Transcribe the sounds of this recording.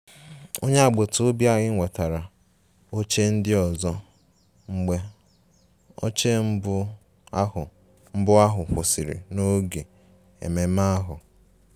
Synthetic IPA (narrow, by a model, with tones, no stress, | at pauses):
o˦ɲe˦a˨ɡ͡bo˨to˦bja˨ɣɪ˦ŋʷe˨ta˨ɾa˨ | o˦t͡ʃe˦n̩˦dɪ˦ɔ˨zɔ˦ | ŋ͡m̩˦ɡ͡be˦ | o̰˦t͡ʃe˦m̩˦bʊ˦ | ʊ˨ | m̩˦bʊ˦a˦ɦʊ˨ɸo˨si˨ɾɪ̰˨no˦ɡe˨ | ḛ˨me˨ma˦ɦʊ˨